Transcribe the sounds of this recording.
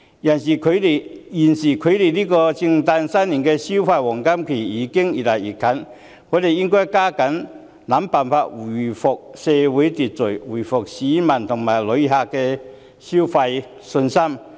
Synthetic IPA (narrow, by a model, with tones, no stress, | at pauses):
jɐ˨˩nsiː˨˩kʰɵ˨˧t̪e˨˩jji˨˩nsiː˨˩kʰɵ˨˧ɥt̪e˨˩jliː˥kɔː˧t͡sɪ˧ŋt̪aː˧nsa˥nli˨˩nkɛː˧si˥wfaː˧jwɔː˨˩ŋka˥mkʰe˨˩iː˨˧˥kɪ˥ŋiː˨˩tlaː˨˩jiː˨˩kʰːɐ˨˥n | kɔː˨˥t̪e˨jjɪ˥ŋkɔː˥jkaː˥kɐ˨˥n | na˨˥mpaː˨nfaː˧t̚wu˨˩fʊ˨˩k̚sɛː˧wu˨˥jt̪iː˨˩t̚t͡sɵ˨˩wuː˨˩fʊ˨k̚siː˨˥mɐ˨˩nt̪ʰʊ˨˩ŋmaː˨˩jlɵ˨˧˥jɦa˧kːɛː˧ | si˥wfa˧j | sɵ˧nsɐ˥m